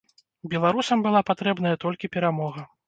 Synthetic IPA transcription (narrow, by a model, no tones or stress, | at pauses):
bʲɛlˠaɾusɐmbɨlˠapat̪ɾɛbn̪ɐjɐt̪ɔlʲkʲipʲɛɾamɔɣɐ